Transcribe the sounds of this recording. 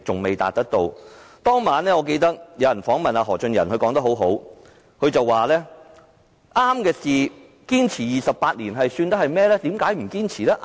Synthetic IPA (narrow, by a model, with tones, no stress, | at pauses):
t͡sʊ˨ŋme˨jt̪a̰ː˨t̚t̪ɐ˥k̚t̪o˧wt̪ɔː˥ŋmaː˨˥nlɛː˥ŋɔː˨˧˥ke˧jt̪ɐ˥k̚jɐ˨˧wjɐ˨˩nfɔː˨˥ŋmɐ˨naː˧ɦɔː˨˩t͡ʃɵ˧njɐ˨˩nhɵ˧kɔː˨˥ŋt̪ɐ˥kho˨˥wɦo˨˥w | kʰɵ˨˧ɥt͡sɐ˨wːaː˨lɛː˥ | ʔaː˥mkɛː˧siː˨ | kiː˥nt͡sʰiː˨˩jiː˨˩sɐ˨p̚paː˧t̚liː˨˩nɦɐ˨jsyː˧nt̪ɐ˥hɐ˨jmɛː˥lɛː˥t̪iː˨˥mkaː˨˥jm̩˨˩kiː˥nt͡sʰiː˨˩lɛː˥ʔ